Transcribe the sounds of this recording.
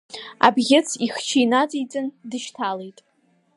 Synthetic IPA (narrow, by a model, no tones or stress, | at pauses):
a̰bɣʲɪt͡sʰiχt͡ʃʰijnad͡zʼijt͡sʼɨndɨʃtʰalejtʼ